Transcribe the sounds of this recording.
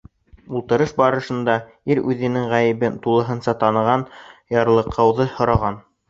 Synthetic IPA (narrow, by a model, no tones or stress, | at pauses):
ulˠt̪ɤ̆ɾɤʃbɑɾɤ̆ʃɤ̆nd̪ɑ | iɾʉðɘ̆nɘŋʁæjɘ̆βɘnt̪ulˠɤ̆ɦɤ̆nsɑt̪ɑnɤ̆ʁɑnjɑɾlˠɤ̆qʰːɑwðɤhŏɾɑʁɑn